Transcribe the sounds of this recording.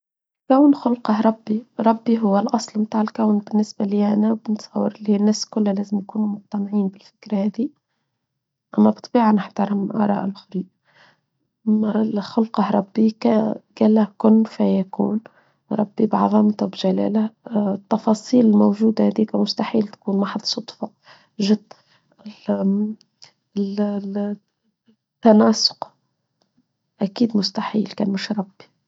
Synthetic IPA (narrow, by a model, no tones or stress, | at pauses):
lkæwnxʊlqɑhɾˤɑbːiɾˤɑbːiɦʊwːælʔɑsˤlmt̪aːʕɪlkæwnbɪnːɪsbæliʔænæbɪnt̪sˤɑwːəɾɪlːihinːæːskʊlːhælæːzɪmjakuːnumʊq̚t̪ɑnʕiːnbɪlfɪ̥kɾahæːd̪i | ʔæmːæbt̪ˤb̥iːʕanɪħt̪ɑɾˤɑmʔɑ̰ːɾˤɑ̰ːʔɪlʔʊxɾiː | xʊlqɑhɾˤɑbːikæɡ̥æːlːæhkʊnːfæjækṵːn | ɾˤɑbːibʕɑ̰ðˤɑmt̪ʊbʒælæ̰ːlat̪ːɑfɑːsˤiːlɪlmowʒuːd̪ahæd̪iːkmʊst̪aħiːlt̪kuːnmaħɑðˤsˤot̪ˤfɑ | ʒɪd̪ | l | t̪ːanɑːsʊ̥q | ʔækiːd̪mʊst̪aħḭːlkæːnmɪʃɾˤɑbːi̥